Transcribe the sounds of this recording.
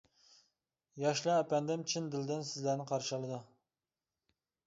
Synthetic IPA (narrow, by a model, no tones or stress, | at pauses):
jɑʃlˠɑːpɛnd̪ɪmt͡ʃʰɪnd̪ɪld̪ɪnsɪzlæɾnɪqʰɑɾʃlˠɨd̪u